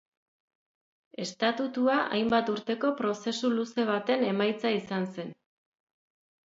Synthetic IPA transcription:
e̞st̪at̪ut̪uaʔa̰jmbat̪uɾt̪e̞ko̞pɾo̞se̞suluse̞β̞at̪e̞ne̞majt͡saisanse̞n

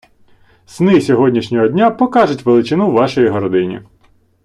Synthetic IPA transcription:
snɪsʲɔɦɔdʲnʲiʃnʲɔɦɔdʲnʲapɔkɑʒʊtʲʋelˠɪt͡ʃɪnuwʋɑʃɔjiɦɔɾɔd̪ɪnʲḭ

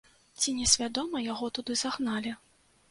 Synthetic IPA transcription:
t͡sʲinʲɛsʲvʲad̪ɔmɐjaɣɔt̪ud̪ɨz̥aɣnalʲi

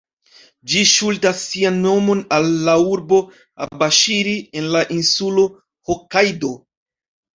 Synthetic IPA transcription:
d͡ʒiʃultasːianːo̞mo̞nalːauɾbo̞ | a̰baʃiɾie̞nlaʔinsulo̞ | hokajdo̞

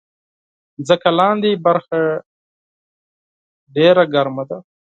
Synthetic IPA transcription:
zəkalɑ̃ːnd̪ibaɾxa | ɖeɾaɡaɾmad̪a

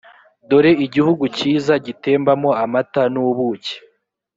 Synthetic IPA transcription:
do̞ɾe̞iɟihuɡuciːzaɟite̞ːmbamo̞amatanuβuːce̥

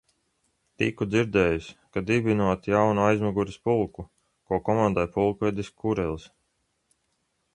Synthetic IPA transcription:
t̪ikud̪ziɾd̪ɛːjuskad̪ibinuɔt̪jawnuajzmaɡuɾispulˠku | kuɔkɔmãnd̪ajpulˠkuɛd̪iskʰuɾɛlˠs

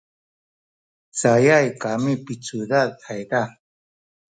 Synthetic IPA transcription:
t͡sajajkamipit͡sudaajda

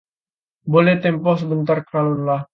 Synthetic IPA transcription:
bolɛht̪ɛmpɔs̬əbənt̪arkɾalɔnlah

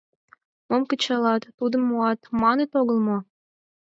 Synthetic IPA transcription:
momkə̆t͡ɕɑlɑt̪ːud̪ə̆mːoɑt̪mɑnet̪oɣəlmo

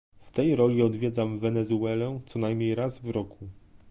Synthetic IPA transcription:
ft̪ɛjɾɔlʲiɔd̪vʲjɛd̪zamvɛnɛzuɛlɛt̪sɔnajmɲejɾazvɾɔkʰu

